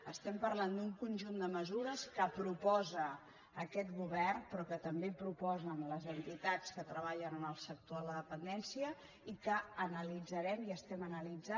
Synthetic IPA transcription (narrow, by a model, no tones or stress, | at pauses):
əst̪ɛmpərland̪uŋkunʲʒund̪əməzuɾəskəpɾupɔzəː | kɛt̪ɣuβɛrnpɾɔkət̪əmbepɾupɔzənləzənt̪it̪at͡skət̪ɾəβ̞aʎənənəlˠsək̚t̪oələðəpənd̪ɛnsiə | ikəːnəlid͡zəɾɛmiəst̪ɛmənəlid͡za